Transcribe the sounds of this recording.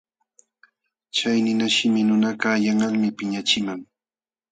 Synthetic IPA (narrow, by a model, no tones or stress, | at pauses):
t͡ʃajnɪnaʃɪmɪnʊnakaːjaŋaŋmɪpɪɲat͡ʃɪmaŋ